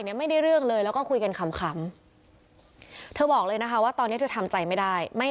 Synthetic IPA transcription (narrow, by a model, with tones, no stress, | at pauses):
jni˦˥ɐma˥˩jda˥˩jɾɯ˥˩əŋlɤː˧jlɛː˦˥wkɔː˥˩kʰu˧jka˧nkʰa˧mkʰa˦˥m | t̪ʰɤː˧bɔː˨˩k̚lɤː˧jna˦˥kʰa˦˥waː˥˩t̪ɔː˧nːi˦˥ə˩tʰɤː˧˩t̪ʰa˧mt͡ɕa˧jma˥˩jda˥˩jma˥˩